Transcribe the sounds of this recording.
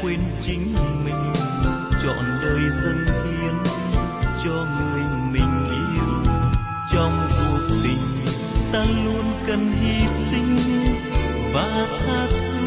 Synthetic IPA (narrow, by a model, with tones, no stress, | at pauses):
kwe˧nt͡ɕï˨˦ŋ̟mï˨˩ŋ̟ | t͡ɕɔ̰˧˨nɗəː˨˩jzə˧ŋʔi˧˦ən˧ | t͡ɕɔ˧ŋɨ˨˩əjmï˨˩ŋ̟ʔḭ˧˥ | t͡ɕɔ˧mku˨˩ək̚t̪ï˨˩ŋ̟ | t̪aː˧lu˧ənkə˨˩nɦi˧sï˧ŋ̟ | vaː˨˩t̪ʰaː˧t̪ʰɨ˧˦